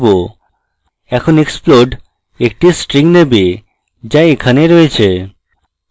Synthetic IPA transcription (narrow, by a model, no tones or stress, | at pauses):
bo | ɛkʰoneksploɖ | ek̚ʈisʈɾiŋnebe | d͡ʑaekʰaneɾɔet͡ɕʰe